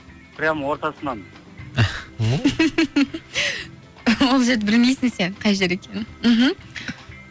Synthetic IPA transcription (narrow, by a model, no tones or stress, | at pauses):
pɾʲamwoɾt̪ɑsənɑn | wolˠʒed̪bɪlmejsɪŋseqʰɑjʒeɾekʲʰe̞nm̩ɦm̩